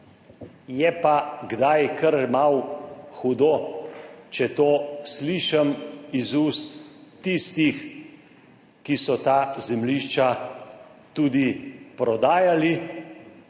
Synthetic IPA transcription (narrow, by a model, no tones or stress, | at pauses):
jɛpaɡd̪ajkəɾmawxud̪o | t͡ʃɛt̪oːsliʃamizust̪ːist̪ix | kisɔt̪aːzɛmliʃt͡ʃa | t̪uːd̪ipɾɔd̪aːjali